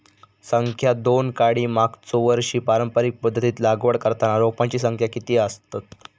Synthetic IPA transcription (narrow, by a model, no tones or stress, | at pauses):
səŋkʰjad̪onkaɽiːmakt͡soʋəɾɕiːpaɾəmpəɾik̚pəd̪ʱːət̪iːt̪laɡʋəɽkəɾt̪anaɾopãt͡ɕiːsəŋkʰjakit̪iːəst̪at̪̚